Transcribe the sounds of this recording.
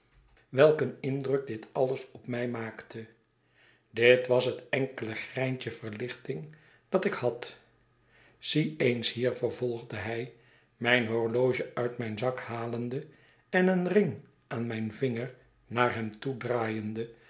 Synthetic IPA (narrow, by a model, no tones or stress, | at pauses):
ʋɛlˠkənɪndrɵk̚dɪtɑləsɔpmɛjmaːktə | dɪtʋɑsɦətɛŋkələχrɛjntəvəɹlɪχtɪŋ | d̥ɑtɪkhɑt | z̥iejnshiːɹvəɹvɔlˠχdəɦɛj | mɛjnɦɔɹlowʒəœɥtmɛjnzɑkhaːləndə | ɛnənrɪŋ | ʔaːnmɛjnvɪŋəɹ | naːɹɦɛmtudraːjəndə